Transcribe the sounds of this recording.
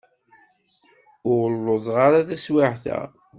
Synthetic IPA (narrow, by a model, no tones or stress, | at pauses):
ʊʁlːozˤʁaɾaθæswɪʕθæ̰